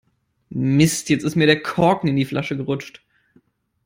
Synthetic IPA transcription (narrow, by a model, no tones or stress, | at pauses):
mɪstjɛt͡stɪstmiːɐɾeːɐkʰɔɐkŋ̩ɪndiːflʔaʃəɡəʁʊt͡ʃt